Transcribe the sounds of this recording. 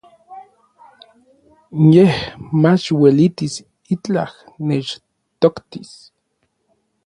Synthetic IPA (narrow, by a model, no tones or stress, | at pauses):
jehmat͡ʃwelit̪is | it͡ɬah | net͡ʃ | t̪okt̪is